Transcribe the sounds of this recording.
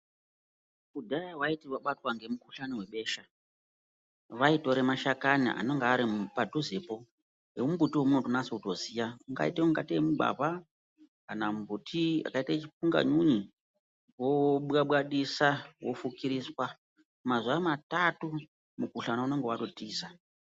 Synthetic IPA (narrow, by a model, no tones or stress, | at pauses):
kudʱajawaitiwaɓatwaŋɡe̞mukuɬaniwe̞ɓe̞ːʃa | ʋaito̞ɾemaʃakanḭʔa̰no̞ŋɡaːɾipadʱuzepo | eumbutiwomuno̞tonasouto̞sijauŋɡa̰iteuŋɡatemuba̰ba | anambutʰia̰kaitat͡ʃipuŋɡa̰ɲuɲi | woɓaɓwaɗisawo̞fukiɾiːswa | mazwamatatu | mukuɬanauno̞ŋɡewaɗo̞tiːsa